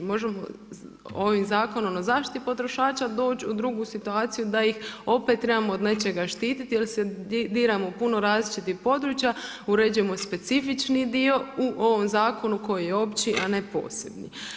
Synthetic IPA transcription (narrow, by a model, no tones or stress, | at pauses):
mo̞ʒemo̞̰ | o̞ʋimzaːko̞nomnazaːʃt̪i̥t̪ipo̞t̪ɾo̞ʃaːt͡ʃad̪o̞ːt͡ʃud̪ɾuɡusit̪uaːt̪sijud̪ajixo̞pet̪ːɾe̞bamo̞od̪ne̞t͡ʃe̞ɡaʃt̪iːt̪it̪ijelsed̪iːɾamopuno̞ɾaːzlit͡ʃit̪ixpo̞d̪ɾuːt͡ʃja | uɾe̞d͡ʒuje̞mo̞spe̞t̪sifit͡ʃnid̪io̞uʔo̞ʋomzaːko̞nuko̞jijeo̞pt͡ʃiʔane̞po̞̰ːse̞bnḭ